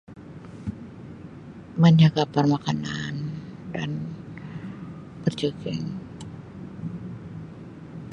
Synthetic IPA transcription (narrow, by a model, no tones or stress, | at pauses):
məɲakapərmakananda̰n | pərd͡ʒəkɛ̰ŋ